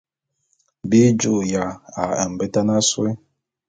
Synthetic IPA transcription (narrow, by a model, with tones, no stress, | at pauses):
bi˦d͡ʒu˦˨ja˨a˨ɛ̰˨m˨bɛ˦ta˦na˦swe˦